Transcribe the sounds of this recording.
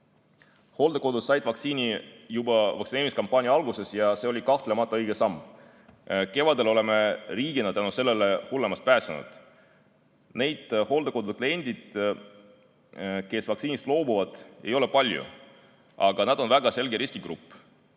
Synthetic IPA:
ho̞ld̪ekod̪̥ud̪sɑjd̪vɑk̪siːnijubɑvɑksineːɾimiskɑmpːˑɑːnʲjɑɑlɡuse̞sjɑse̞o̞lʲikɑht̪le̞mɑt̪ˑːɑɤjɡ̥esɑmː | ke̞vɑd̪e̞lo̞le̞me̞riːɡ̥inɑt̪ænuse̞lːe̞lehulːe̞mɑst̪pæːsɑnṵd̪̥ | ne̞jd̪̥ho̞ld̪̥eko̞d̪ud̪̚klie̞nʲd̪̥id̪̥ | ke̞svɑksiːnist̪lo̞ːbuvɑd̪̥e̞̰jo̞le̞pɑlʲjṵ | ʔɑɡ̥ɑnæd̪̥o̞nvæɡ̥ɑse̞lɡeɾiskiɡ̥rupˑː

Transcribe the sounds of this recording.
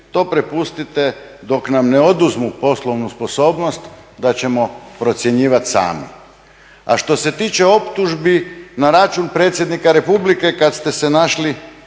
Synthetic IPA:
t̪o̞ːpɾepust̪it̪ed̪o̞knamneo̞d̪uzmupo̞slˠo̞ʋnusposo̞ːbno̞st̪d̪at͡ɕe̞mo̞pɾo̞t̪sʲje̞ɲiːʋat̪sa̰ːmḭ | a̰ʃt̪o̞se̞t̪iːt͡ʃe̞o̞pt̪uʒbinaɾat͡ʃunpɾe̞ːt̪sjed̪nikaɾe̞publike̞kat̪st̪e̞se̞naʃli

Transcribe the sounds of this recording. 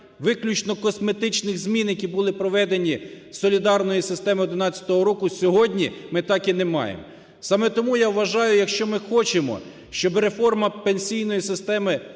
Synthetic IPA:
ʋɪklʲut͡ʃnɔkɔsme̞t̪ɪt͡ʃnɪɣzʲmʲinjɐkʲibʊlˠɪpɾɔʋɛd̪enʲi | sɔlʲid̪ɑrnɔjisɪst̪ɛmɪɔd̪ɪnɑt͡sʲɐ̥t̪ɔɦɔɾɔkʊsʲɔɦɔdʲnʲimɪt̪ɑkinemɑ̰jḛm | sɑmɛt̪ɔmujaʋʋɐʒɑjʊjɐkʃt͡ʃɔmɪxɔt͡ʃemɔ̰ | ʃt͡ʃɔbɾe̞fɔrmɐpenʲsʲijnɔjisɪst̪ɛmɪ

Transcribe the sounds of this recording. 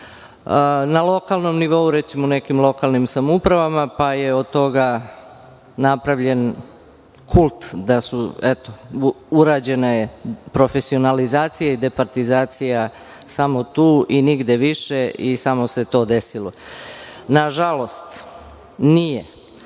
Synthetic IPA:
nalˠo̞kalˠno̞mniʋo̞uɾet̪simonekimlˠo̞kalˠnimsamupɾaʋamapajeo̞d̪̚t̪o̞ɡa | napɾaʋʎe̞n | kʰulˠt̪d̪asuɛt̪o | uɾaːd͡ʑe̞najepɾo̞fe̞sio̞nalizaːt̪sijaid̪epaɾt̪izaːt̪sija | samot̪uːʔiniɡd̪e̞ʋiʃe̞ʔisamo̞se̞t̪o̞ːd̪esilo | naʒalo̞st̪ | nije

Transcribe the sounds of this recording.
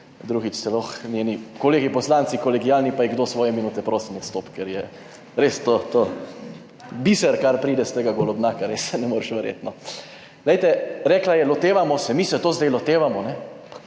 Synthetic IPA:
d̪ɾuɣit͡ʃsɛlɔxnʲjeːnikoleːɡipɔslant̪sikɔlɛɡijaːlnipajɛɡd̪oːsʋɔːjɛminuːt̪ɛpɾoːsimɛst̪oːpkɛɾjɛ | ɾeːst̪ot̪o | bisɛɾkaɾpɾiːd̪ɛst̪eːɡaɡolɔbnakaɾessɛnɛmoːɾʃʋɛɾjḛt̪nɔ | lɛjt̪ɛɾɛːklajɛlɔt̪eːʋamɔsɛmisɛt̪oːzd̪ɛjlɔt̪eːʋamɔnɛ

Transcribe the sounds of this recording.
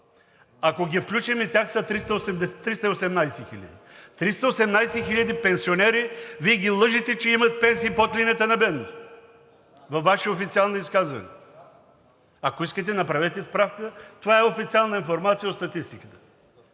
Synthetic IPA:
akoɡʲifklʲut͡ʃɛmɛt̪ʲjaxsɐt̪ɾist̪əosɛmd̪ɛst̪ːɾist̪əiosɛmnajsɛxilʲə̰d̪it̪ɾist̪ɐosɛmnajsɛxilʲɐd̪ipɛnsionɛɾiviɛɡʲilˠɤʒit̪ɛt͡ʃɛimɐt̪ɛpɛnsiːpot̪lʲinɛt̪ɛnɐbɛd̪not̪o | vɐfːaʃɛofit̪sialˠnoiskazvɐ̰nɛ̰ | ɐkoiskət̪̬ɛnɐpɾavɛt̪ɛispɾafkət̪ovaɛofit̪sialˠnəinfoɾmat̪sijəot̪st̪ɐt̪ist̪ikə̥t̪ə̥

